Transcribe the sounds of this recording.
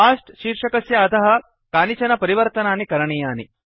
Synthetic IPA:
aːʂʈʃiːɾʂɐkɐsjɐːt̪ɐɦɐ̆ | kaːnit͡ʃɐnɐpɐɾiʋɐɾt̪ɐnaːnikɐɾɐɳijaːni

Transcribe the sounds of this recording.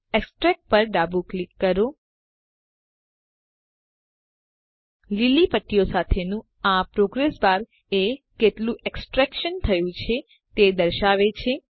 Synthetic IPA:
eksʈɾɛk̚pəɾɖabuklikːəɾo | lilipəʈːijosat̪ʰenũ | apɾoɡɾesbaɾ | e | keʈlũʔeksʈɾɛkʃənt̪ʰəjũt͡ʃʰe | t̪ed̪əɾʃaʋet͡ʃʰe

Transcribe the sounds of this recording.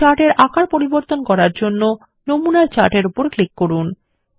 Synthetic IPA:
aʈeɾʔakaɾpoɾiboɾt̪onkɔɾaɾd͡ʑonːo | nomunaɾt͡ɕaʈeɾupoɾklikːoɾun

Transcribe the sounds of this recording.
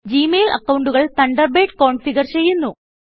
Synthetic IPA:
d͡ʑiːmeːlɐ̰kːɐwɳɖuɣɐɭt̪ɐɳɖɐrbeːʈko̞ːɳfiɣɐrt͡ɕe̞jːunːu

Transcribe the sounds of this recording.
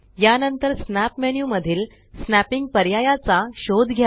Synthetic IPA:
janənt̪əɾsnæpmɛnjuːməd̪ʱiːl | snæpiŋɡ̚pəɾjajat͡saɕod̪ɡʱja

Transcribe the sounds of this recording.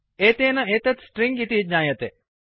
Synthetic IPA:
eːt̪eːnɐeːt̪ɐt̪sʈɾiŋɡit̪iːt̪ɲaːjɐt̪e

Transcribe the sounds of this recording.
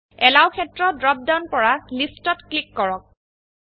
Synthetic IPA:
ɛlawkʰɛtɹɔdɹɔp̚dawnpɔɹalistɔtklikːɔɹɔk̚

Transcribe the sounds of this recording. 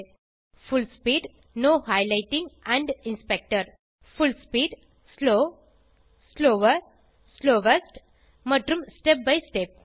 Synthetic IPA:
fʊlspiːɖ | noːhaɪlaɪʈĩŋɡæ̃ɳɖɪ̃nspek̚ʈəɾ | fʊlspiːɖ | sloː | sloːʋəɾ | sloːʋesʈ | məʈɾũmsʈep̚baɪsʈep̚

